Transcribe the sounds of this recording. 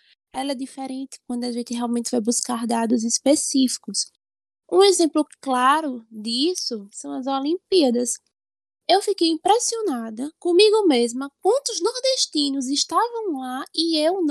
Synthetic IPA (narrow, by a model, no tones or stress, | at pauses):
ɛlɛd̪ifeɾẽnt̪ɪ̥k̚wɐ̃d̪ʊaʒẽnt̪ɪɦɛawˠmẽnt̪ɪvajbuskaɾd̪ad̪ʊzispesifi̥kʊs | ũezẽmplʊklaɾʊd̪isʊsɐ̃w̃ɐzolĩpiɐd̪ɐs | ewfikejĩpɾɛsionad̪ɐkõmiɡʊmezmɐk̚wɐ̃nt̪ʊznɔɾd̪eʃt̪ĩnʊzɪʃt̪avɐ̃w̃laɪewn